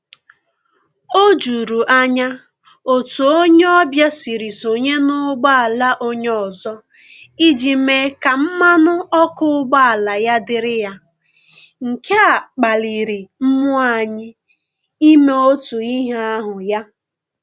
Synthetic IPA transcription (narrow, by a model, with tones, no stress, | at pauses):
o˦d͡ʒu˨ɾu˨ʔa˦ɲa˦ | o˨tu˨o˦ɲe˦ɔ˦bja˦si˨ɾi˨so˨ɲe˦nʊ˦ɡ͡ba˦a˨la˦ʔo˦ɲ˦ɔ˨zɔ˦ | i˦d͡ʒi˨me˦ka˨m̩˦ma˦nʊ˦ɔ˦kʊ˦ʊ˦ɡ͡ba˦a˨la˨ja˦dɪ˨ɾɪ˦ja˦ | ŋ̩˨kʰe˦a˨k͡pa˨li˨ɾi˨m̩˦mʊ˦a˦ɲɪ˦ | i˦me˨o˦tu˨i˦ɦa˦a˦ɦʊ˨ja˦